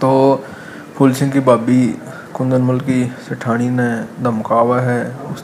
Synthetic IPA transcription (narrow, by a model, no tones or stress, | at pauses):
t̪oː | pʰʊlsɪ̃ŋɡkibaːbi | kʊ̃nd̪ənmʊlkisɪʈʰaːɽ̃inẽd̪ɐmkaːwaɦɛːʊs